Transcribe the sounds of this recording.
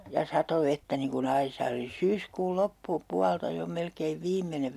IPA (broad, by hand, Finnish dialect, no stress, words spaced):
jɑ sɑto ʋetːæ niŋ kun ɑisɑː oli syːskuːl lopːupuɑltɑ jo melkeiʋ ʋiːmːeneʋ